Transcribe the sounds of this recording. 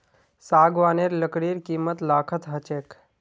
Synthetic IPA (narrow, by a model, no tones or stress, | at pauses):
saːɡʋaːneːɾləkɽiːɾkiːmət̪laːkʰət̪ɦət͡ʃeːk